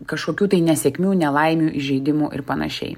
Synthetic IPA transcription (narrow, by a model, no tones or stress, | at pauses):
kɐʃkoːkʲuːt̪ɐɪnʲɛsʲɛkʲmʲuːnʲɛlˠɐɪmʲuːʔɪʒʲɛɪd̪ʲɪmuːʔɪ̰ɾpɐnɐ̰ʃʲɛ̰ɪ